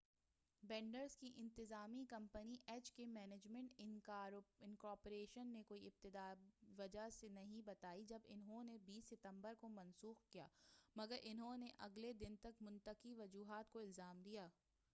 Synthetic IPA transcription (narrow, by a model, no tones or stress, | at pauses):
bɛ̃ːɳɖəɾzkiʔɪ̃nt̪ɪzaːmikɐ̃mpəniʔɛːt͡ʃkemɛːned͡ʒmɛ̃ɳʈɪ | ɪnkɔːɾpoɾeːʃənːekoːiɪb̚t̪ɪd̪aːʋɐd͡ʒasenɐɦĩbɐt̪aːid͡ʒɐbɪ̰nɦõnebiːsːɪt̪ə̃mbəɾkomɐnsuːxkija̰ːmɐɡəɾʔɪnɦõneʔɐɡled̪ɪnt̪ɐkmʊ̃nt̪əqiʋɐd͡ʒuːɦaːt̪koɪlzaːmd̪ijaː